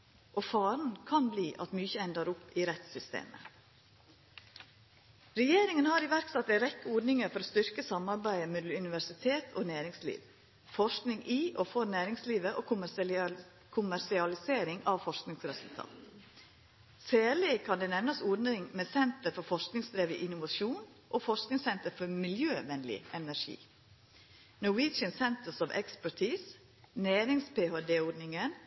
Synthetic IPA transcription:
ʔofɑːɾn̩kʰɑnbliːʔɑ̰t̪myːçəɛnd̪əɾʊpːiːɾɛt̪sʏst̪ḛːmə̰ | ɾɛjeːɾɪŋənhɑɾɪʋæɾksɑt̪̚d̪æɾɛkːəɔɖnɪŋəɾfɔɾoːst̪ʏɾkəsɑmɑɾbæɪəmɛːd̪l̩ʉnɪʋæʂɪt̪ʰeːt̪ʰoːnæːɾɪŋslḭːʋ | fɔʂknɪŋʔiːʔoːfɔɾnæːɾɪŋsliːʋəʔoːk | kʰʊmæɾʂɪɑlɪseːɾɪŋɑʋfɔʂknɪŋsɾɛsʉlt̪ʰɑ̰ːt̪ | sæːɭɪkʰɑnd̪ɛːnɛʋnəsɔɖnɪŋmɛsɛnt̪əɾfɔɾfɔʂknɪŋsd̪ɾeːʋɪʔɪnʊʋɑʂuːn | ʔoːfɔʂknɪŋsɛnt̪əɾfɔɾmɪljøːʋɛnlɪ̰ʔɛnæʂḭː | nɔwiːt͡ʃənsɛnt̪əsɑʋʔɛ̰kspæʈʰiːs | næːɾɪŋspʰeːhod̪eːɔɖnɪŋən

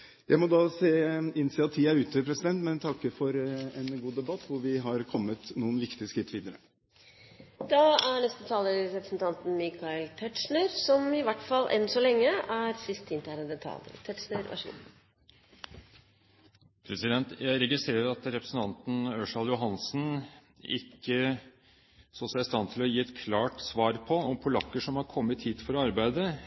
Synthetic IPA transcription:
jæɪmɔd̪ɑːseːɪnsɛːɑt̪ʰːiːɑʉːt̪əpʰɾɛsɪd̪ɛnt̪mɛnt̪ʰɑkːəfɔɾɛnɡuːd̪ɛbɑt̪ːʋʊɾʋɪɦɑɾkʰɔmːət̪nuːənʋɪkt̪ɪəskɾɪt̪ːʋiːd̪əɾə | d̪̥ɑæɳɛst̪ət̪ʰɑːləɾɾɛpɾəsnt̪ʰɑnt̪n̩mɪkʰɑɪlt̪ʰɛʈʂɳəɾsɔmɪʋæʈfɑlːʔɛ̰nsɔlɛŋːəʔæɾsɪst̪ʰːɪnt̪æɾɛnd̪ɛt̪ʰɑ̰lə̰t̪ʰɛʈʂɳəɾʋɑ̰ʂ | pʰɾɛsɪd̪ɛnt̪jæɪɾɛɡɪst̪ɾeːɾəɾɑt̪ɾɛpɾəsn̩t̪ʰɑnt̪n̩øʂɑljʊɦɑnsn | ɪ̰kːə | sɔsɛɪst̪ɑnt̪ʰɪlɔjiːɛt̪kʰlɑːʈsʋɑːɾpʰɔɔmpʰʊlɑkːəʂɔmhɑɾkʰɔmːət̪hiːt̪fɔɾɔɑɾbæɪd̪ə

